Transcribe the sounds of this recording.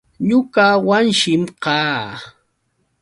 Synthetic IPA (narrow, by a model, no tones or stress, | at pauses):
ɲʊkawanʃɪmqɑː